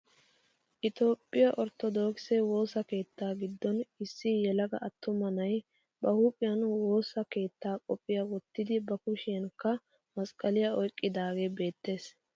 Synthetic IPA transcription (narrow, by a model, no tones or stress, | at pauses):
ʔɪt̪o̞ːpʼːɪjɐʔɔɾt̪ɔd̪oːksewo̞ːsɐke̞ːt̪ːaːɡɪd̪ːɔnɪsːɪjɛlɐɡɐʔɐt̪ːʊmɐnɐj | bɐhuːpʼːɪjɐnwo̞ːsɐke̞ːt̪ːaːkʼɔpʼːɪjɐwɔt̪ːɪd̪ɪbɐkʊʃɪjɐnkːɐ | mɐskʼɐlɪjɐɔjkʼːɪd̪aːɡe̞ːbe̞ːt̪ːe̞ːs